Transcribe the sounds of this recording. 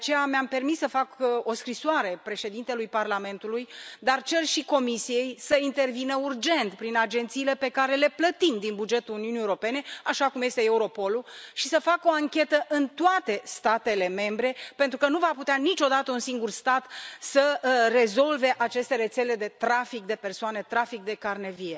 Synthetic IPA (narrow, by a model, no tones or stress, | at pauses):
eat͡ʃejameampe̞rmisːəfako̞skɾisoaɾe̞pɾe̞ʃe̞d̪int̪e̞lujparlame̞nt̪ulujd̪art͡ʃe̞rʃiko̞misije̞jsəint̪e̞rvinəurd͡ʒe̞nt̪pɾinad͡ʒe̞nt̪siːle̞pe̞kaɾe̞le̞plət̪imd̪inbud͡ʒe̞t̪uluniunieoɾo̞pe̞ne̞aʃakumje̞st̪e̞euɾo̞po̞luʃisəfako̞aŋkʲe̞t̪əʔɨnt̪oat̪e̞st̪at̪e̞le̞me̞mbɾe̞pe̞nt̪ɾukənuvaput̪eanit͡ʃo̞d̪at̪əunsiŋɡurst̪at̪səre̞zo̞lve̞ʔat͡ʃe̞st̪e̞ɾe̞t̪se̞le̞d̪e̞t̪ɾafik̚d̪e̞persoane̞t̪ɾafik̚d̪e̞karne̞vie̞